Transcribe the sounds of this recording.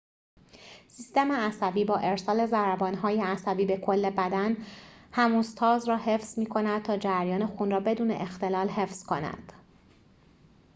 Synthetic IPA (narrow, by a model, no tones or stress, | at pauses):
sist̪e̞meæsæbiːbɒːʔe̞ɾsɒːle̞zæɾæbɒːnɦɒːjeæsæbiːbe̞kʰo̞lːe̞bæd̪ænhæmuːst̪ʰɒːzɾɒːhe̞fz̥miːkʰo̞næd̪̥̚t̪ʰɒːd͡ʒæɾjɒːne̞xunrɒːbe̞d̪uːne̞̰ʔext̪e̞lɒːlɦe̞fz̥kʰo̞næ̰d̪̥